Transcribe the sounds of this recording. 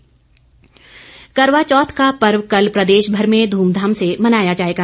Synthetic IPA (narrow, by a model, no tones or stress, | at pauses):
kɐɾʋat͡ʃɔːt̪ʰkapɐɾʋkɐlpɾɐd̪eːʃbʱɐɾmẽd̪ʱuːmd̪ʱaːmsemɐnaːjad͡ʒaːɦeːɡaː